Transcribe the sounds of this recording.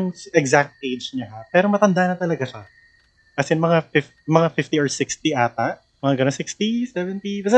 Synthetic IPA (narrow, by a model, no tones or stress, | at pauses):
ŋʔɛɡzak̚t̪̚kejd͡ʒɲɐɦapɛːɾo̞mɐt̪ɐnd̪aʔnɐt̪ɐlɐɡaʃɐ | ɐsɐnmɐŋafɪf | mɐŋafɪft̪iɔɹsɪkst̪iʔaːt̪ɐʔ | mɐŋaŋɡɐnonsɪkst̪isɛvɛnt̪ibɐsɛ